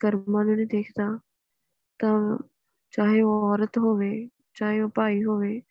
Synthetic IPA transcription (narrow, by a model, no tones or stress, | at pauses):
ɡɐɾmaːnʊnẽd̪eːkʰt̪aː | t̪ɐ | t͡ɕaːɦeoɔːɾət̪ɦoːʋeː | t͡ɕaːɦeopaːiɦoːʋeː